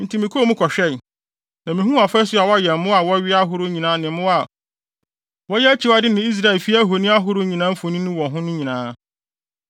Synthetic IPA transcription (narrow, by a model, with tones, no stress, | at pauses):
n̩˨tʰi˨mɪ̃˨kʰo˦˨mʊ̃˦kʰɔ˨ɕᶣɛ˦˨ | nã˨mĩ˨ɦũ˦a˨fɛ˦sʊ˦a˨wɔ˦jɛ˨˦mʊ̃˦a˨wɔ˦ɥɪ˦a˦ɦʊ˦ɾʊ˦ɲĩ˨nãː˦nɪ̃˨m˦mʊ̃˦a˨ | wɔ˦jɛ˦t͡ɕʰi˦wa˨˦dɪ˦nɪ̃˨i˦s̬ɾa˦ɛ˨lfi˦a˦ɦo˨nĩ˦a˦ɦʊ˨˦ɾʊ˦ɲĩ˨nãː˦m̩˦fo˨nĩ˦nʊ̃˦wɔ̃˨ɦʊ̃˦nʊ̃˦ɲĩ˨nãː˦